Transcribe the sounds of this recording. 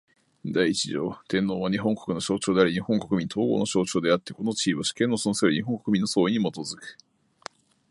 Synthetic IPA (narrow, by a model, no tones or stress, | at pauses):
d̪aiit͡ɕiʑo̞̰ːt̪ẽ̞nːo̞ːβaɲ̟iɦõ̞ŋko̞̥kɯ̟no̞ɕo̞ːt͡ɕo̞ːd̪eaɾiɲ̟ihõ̞ŋko̞kɯ̟mʲĩnt̪ʰo̞ːɡo̰ːno̞ɕo̞ːt͡ɕo̞ːd̪e̞at̪ːeko̞no̞t͡ɕiːβoɕi̥kẽ̞nːosonosɾiɲiɦoŋko̞kɯ̟mĩnːo̞so̞ːiɲ̟imo̞t̪o̞zɨkɯ̟̥